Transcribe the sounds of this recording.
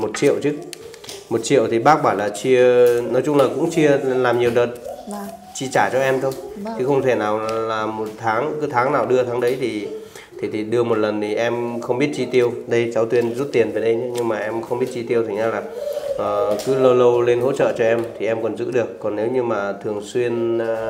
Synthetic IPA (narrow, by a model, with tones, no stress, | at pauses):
mo˨˩t̚t͡ɕḭ˧˨əwt͡ɕɨ˦˥ | mo˨˩t̚t͡ɕḭ˧˨əwt̪ʰi˨˩ɓaː˦˥k̚ɓaː˧˩nlaː˨˩t͡ɕi˧ənɔ˨˦jt͡ɕʊ˧ŋ͡mlaː˨˩kʊ̰˧˥ŋ͡mt͡ɕi˧əlaː˨˩mɲi˨˩əwɗəː˨˩t̚ | t͡ɕi˧t͡ɕaː˧˩t͡ɕɔ˧ʔɛ˧mt̪ʰo˧jt͡ɕʰɨ˨˦xə˧wŋ͡mt̪ʰe˧˩naː˨˩wlaː˨˩mo˨˩t̚t̪ʰaː˨˦ŋkɨ˨˦t̪ʰaː˨˦ŋnaː˨˩wɗɨ˧ət̪ʰaː˨˦ŋɗə˨˦jt̪ʰi˨˩ | t̪ʰi˨˩t̪ʰi˨˩ɗɨ˧əmo˨˩t̚lə˨˩nt̪ʰi˨˩ʔɛ˧mxə˧wŋ͡mɓi˦˥ət̚t͡ɕi˧t̪i˧əwɗə˧jt͡ɕaː˨˦wt̪wi˧ənzu˦˥t̚t̪i˨˩ənveː˨˩jɗə˧jt͡ɕɨ˨˦ɲɨ˧ŋmaː˨˩ʔɛ˧mxə˧ŋ͡mɓi˦˥ət̚t͡ɕi˧t̪i˧əwt̪ʰi˨˩ɲa˧laː˨˩ʔəː˨˩kɨ˨˦lə˧wlə˧wle˧nɦo̰˧˥t͡ɕə̰ː˧˨t͡ɕɔ˧ʔɛ˧mt̪ʰi˨˩ʔɛ˧mkɔ˨˩nzɨ̰˧˥ɗɨ˨˩əkːɔ˨˩nːe˨˦wɲɨ˧ŋmaː˨˩t̪ʰɨ˨˩əŋswi˧ən